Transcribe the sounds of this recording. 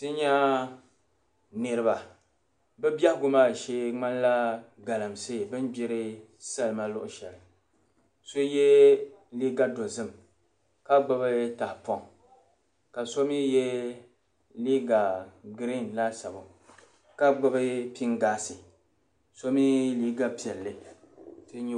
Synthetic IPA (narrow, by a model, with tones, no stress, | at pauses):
tɨ˦ɲa˦ | nɨ˦ɾɨ˦ba˨ | bɨ˦bja˦hɡʊ˦maː˦˨ʃe˦ŋ͡ma˦n˦la˦ | ɡa˨la˨msɨ˦˨bɨ˦n˦bi˦ɾɪ˦ | sa˦lma˦lʊ˦ʔʊ˦ʃɛ˨lɨ˨ | so˦jɛ˦li˦ɡa˦do˨zɨ˦m | ka˦ɡ͡ba˦bɨ˦ta˨hpɔ˦˨ŋ | ka˨so˦mi˦jɛ˦ | liː˦ɡa˨ɡɾi˦˨nla˦sa˨bʊ˨ | ka˦ɡ͡ba˦bɨ˦pi˦ŋ˦ɡaː˦sɨ˨ | so˦mi˦li˦ɡa˦pi˨ɛ˨lːɨ˦ | tɨ˦ɲ˦